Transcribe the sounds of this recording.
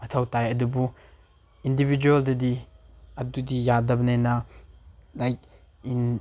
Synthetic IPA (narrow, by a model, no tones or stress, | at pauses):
mɐtʰawtajɐdubu | indibʱid͡ʒueldɐdiɐdudijadɐbɐnenɐ | lajk | in